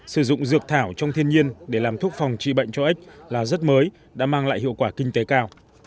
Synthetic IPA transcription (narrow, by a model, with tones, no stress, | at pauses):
sɨ˧˩zʊ̰˧˨ŋ͡mzɨ˨˩ək̚t̪ʰaː˧˩wt͡ɕɔ˧wŋ͡mt̪ʰi˧ənɲi˧ənɗe˧˩laː˨˩mt̪ʰu˦˥ək̚fa˨˩wŋ͡mt͡ɕḭ˧˨ɓə̰˧˨jŋ̟t͡ɕɔ˧ʔa˦˥k̟̚laː˨˩zə˦˥t̚məː˨˦j | ɗa̰ː˧˥maː˧ŋla̰ː˧˨jɦḭ˧˨əwkwaː˧˩kï˧ŋ̟t̪e˨˦kaː˧w